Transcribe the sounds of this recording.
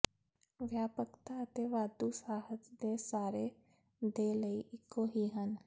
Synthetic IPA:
ʋjaːpəkt̪aət̪eʋaːd̪usaːɦət̪d̪esaːɾe | d̪eːləiʔɪkːoɦiɦən

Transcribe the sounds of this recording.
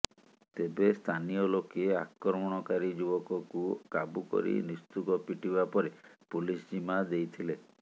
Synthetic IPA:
t̪ebest̪ʰanijɔlokeakɾɔmɔɽ̃ɔkaɾid͡ʒubɔkɔkukabukɔ̰ɾḭnist̪ukɔpiʈibapɔɾepulisd͡ʒimad̪ejt̪ʰile

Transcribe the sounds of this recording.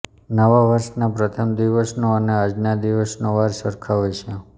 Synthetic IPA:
nəʋaʋəɾʃnapɾət̪ʰəmd̪iʋəsnoənead͡ʒnad̪iʋəsnoʋaɾsəɾkʰaɦojt͡ʃʰe

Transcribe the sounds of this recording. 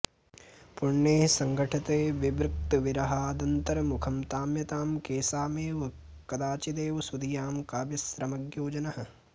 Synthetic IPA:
pʊɾɳjeːsɐŋɡʱɐʈʰɐt̪eːʋɪbɾɪk̚t̪ɐʋɪɾɐɦaːd̪ɐnt̪ɐɾɐmukʰɐmt̪aːmjɐt̪aːmkeːsaːmeːʋ | kɐd̪aːt͡ʃid̪eːʋsud̪ijaːmkaːbjɐsɾɐmɐɡjoːd͡ʒɐnɐɦɐ

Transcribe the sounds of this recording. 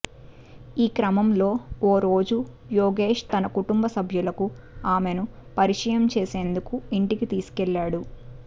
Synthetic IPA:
iːkɾɐmɐmlo̞ːoːɾo̞ːd͡ʒu | joːɡe̞ːʂt̪ɐnɐkuʈumbɐsɐbʱjulɐku | aːme̞nu | pɐɾiʂɐjɐmt͡ʃeːse̞ːnd̪ukuiɳʈikit̪iːsu̥kɛɭːaːɽu

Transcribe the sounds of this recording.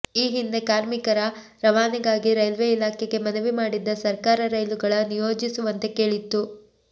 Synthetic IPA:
iːɦind̪e̞kaːɾmikɐɾɐ | ɾɐʋaːnɐɡaːɡiɾɐjlʋeilaːkʰeɡe̞mɐnɐʋimaːɽid̪ːɐsɐɾkaːɾɐɾɐjluɡɐɭɐnijoːd͡ʒisuʋɐnt̪e̞ke̞ːɭit̪ːu

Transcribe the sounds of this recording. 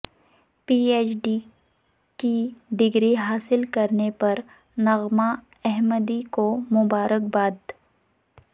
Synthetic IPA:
piːeːt͡ʃɖi | kiɖɪɡɾiɦaːsɪlkɐɾnepɐɾ | nɐɣma | ɛɦməd̪ikomʊbaːɾək̚baːd̪

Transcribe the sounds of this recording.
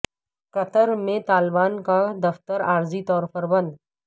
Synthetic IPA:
kɐt̪əɾmẽt̪aːlbaːnkad̪ɐft̪əɾaːɾzit̪ɔːɾpəɾbɐ̃nd̪

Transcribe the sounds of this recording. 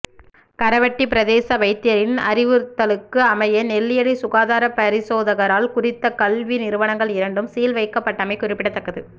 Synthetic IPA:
kɐɾɐʋɐʈːipɪɾɐðeːsɐʋɐɪt̪ːɪjɐɾɪnɐ̰ɾɪʋɯt̪ːɐlɯkːɯɐmɐjɐnɛlːɪjɐɽisʊɣaːðaːɾɐpɐɾɪsoːðɐɣɐɾaːlkʊrɪt̪ːɐkɐlʋinɪɾɯʋɐnɐŋɡɐɭɪɾɐɳɖɯmsɛjɐlʋɐɪkːɐpːɐʈːɐmɐɪkʊrɪpːɪɽɐt̪ːɐkːɐðɯ

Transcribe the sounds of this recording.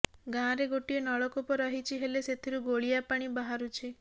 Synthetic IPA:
ɡãɾeɡoʈienɔɭɔkopɔɾɔɦit͡ʃʰiɦeleset̪ʰiɾuɡoɭijapaɽ̃ibaɦaɾut͡ʃʰi

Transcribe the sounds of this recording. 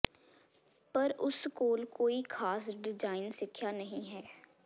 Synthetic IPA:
pɐɾʊskoːlkoːikʰaːsɖɪd͡ʒaːɪnsɪkʰːjanɐɦĩɦɛː

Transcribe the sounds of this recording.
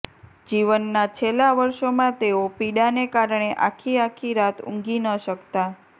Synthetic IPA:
d͡ʒiʋənːat͡ʃʰelaʋəɾʃomãt̪eopiɽanekaɾɳ̃eʔakʰiakʰiɾat̪ʰṵ̃ŋɡinəʃəkt̪a

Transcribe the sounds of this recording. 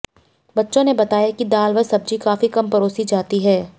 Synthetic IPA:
bɐtːʃõnebɐt̪aːjakid̪aːlʋəsɐb̚d͡ʒikaːfikɐmpɐɾoːsid͡ʒaːt̪iɦɛː

